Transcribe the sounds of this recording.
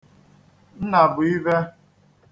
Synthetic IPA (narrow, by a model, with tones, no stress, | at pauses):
n̩˦na˨bʊ˨i˦ve˦